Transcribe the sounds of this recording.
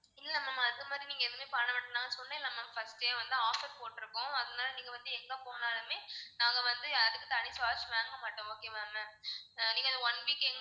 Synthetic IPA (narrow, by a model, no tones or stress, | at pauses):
ɪlːɐmaːmaɐðɯmaːd̪ɾiniːŋɡɐɛðɯmeːpɐɳɐʋɐʈːɐnaːŋɡɐsɔnːãɪlːɐmaːmfɐsʈejʋɐnd̪ɯaːfɐɾpoːʈːɪɾɯkːʊ̃ɐðɐnaːlɐniːŋɡɐʋɐnd̪ɯɛŋɡɐ̃ːpoːnaːlɐmeːnaːŋɡɐʋɐnd̪ɯɐðɯkːɯt̪ɐɳɪsaːt͡ʃmaːŋɡɐmɐʈːʊ̃oːkeːmaːmɐnĩːŋɡɐðɐɔnʋiːkɛŋɡ